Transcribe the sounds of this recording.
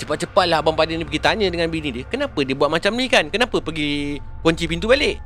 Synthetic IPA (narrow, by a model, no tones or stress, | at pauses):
t͡ʃəpat̪̚t͡ʃəpat̪̚laɦabampadinipəɡit̪aɲə̃dəŋanbinidiəkənapədiəbuat̪̚mat͡ʃamnikankənapəpəɡi | koɲt͡ʃipint̪ubaleʔ